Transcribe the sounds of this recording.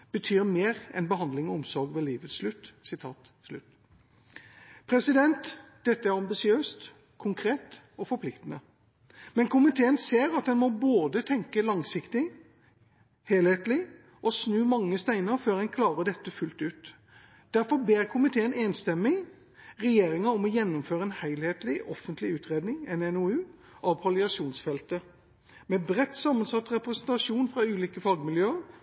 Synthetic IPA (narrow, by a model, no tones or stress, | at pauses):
b̥ət̪ʰyːɾmeːʁɛ̰nbəhɑnd̪lɪŋɔʊmsɔɾɡʋɛliːʋət̪slʉt̪ːsɪt̪ʰɑ̰ːt̪ | slʉ̰t̪ | pʰɾɛsɪd̪ɛnt̪d̪̥ɛt̪ːəæɾɑmbɪsɪøːst̪ | kʰʊŋkʰɾeːt̪ | ɔfɔɾpʰlɪkt̪ənə | mɛnkʰʊmɪt̪ʰeːənseːɾɑt̪̚d̪ɛnmɔboːd̪ət̪ʰɛŋkəlɑŋsɪkt̪ɪ | heːlheːt̪lɪ | ʔɔsnʉːmɑŋːəst̪æɪnəɾføːɾhɛnkʰlɑːʋəd̪ɛt̪ːəfʉlt̪ʉːt̪ | d̪̥æɾfɔɾbeːɾkʰʊmɪt̪ʰeːəneːnst̪ɛmːɪ | ʁɛjeːɾɪŋɑɔmɔjɛnːʊmføːɾəɛːnhæɪlheːt̪lɪʔɔfənt̪ʰlɪʉːt̪ʁeːd̪nɪŋɛnɛnʊʉː | ʔɑʋpʰɑlɪɑʂuːnsfɛlt̪ə | mɛbʁɛt̪ːsɑmːənsɑt̪ːɾɛpɾɛsnt̪ɑʂuːnfʁɑʉːliːkəfɑɡmɪljøːəɾ